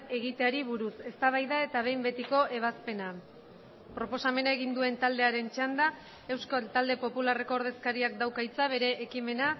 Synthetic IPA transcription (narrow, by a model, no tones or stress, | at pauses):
e̞ɣ̞it̪eaɾiβuɾuse̞st̪aβ̞ajðae̞t̪aβ̞e̞jmbe̞t̪iko̞ʔe̞β̞aspe̞na | pɾo̞po̞same̞nae̞ɣind̪ue̞nt̪ald̪e̞aɾe̞nt͡ʃand̪a | e̞wskalt̪ald̪e̞po̞pulare̞ko̞ːɾðeskaɾiak̚d̪awkajt͡saβ̞e̞ɾe̞ʔːkime̞na